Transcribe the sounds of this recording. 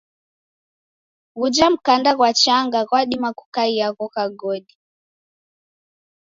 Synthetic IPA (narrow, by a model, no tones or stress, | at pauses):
ɣud͡ʒam̩kandaɣwat͡ʃaŋɡaɣwaɗimaku̥kaiaɣɔɣaɡɔɗi